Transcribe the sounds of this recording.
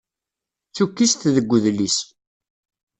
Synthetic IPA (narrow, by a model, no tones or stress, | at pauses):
θukːist̪ðəɡʷːəðlis